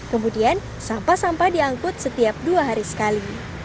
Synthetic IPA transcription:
kəmudian | sampasampadiaŋkʊt̪̚sət̪iap̚duaɦaɾisə̥kali

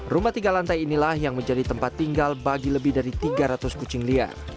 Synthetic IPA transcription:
rumat̪iɡalant̪ajinilahjaŋməɲd͡ʒadit̪əmpat̪ːiŋɡalbaɡiləbɪhdaɾit̪iɡaɾat̪ʊskut͡ʃɪŋlia̰r

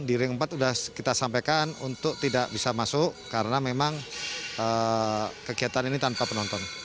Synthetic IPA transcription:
diɾiŋəmpat̪udahkit̪asampajkanṵnt̪ʊk̚t̪idaʔbisamasʊʔkaɾənamemaŋə | kəɡiat̪aninit̪anpapənɔnt̪ɔn

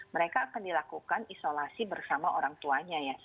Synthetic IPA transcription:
məɾekaːkandilakukanisolasibərsamaʔoɾaŋt̪uaɲaja

